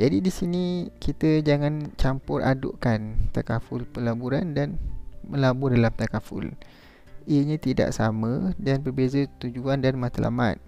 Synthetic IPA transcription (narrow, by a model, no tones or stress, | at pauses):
d͡ʒadidisinikit̪əd͡ʒaŋãnt͡ʃampʊrʔa̰dʊ̰ʔkant̪akafʊlpəlabuɾandanməlabʊrdalamt̪akafʊ̰l | iəɲãt̪ida̰ʔsamə̃danbərbezət̪ud͡ʒuandanmat̪ala̰ma̰t̪̚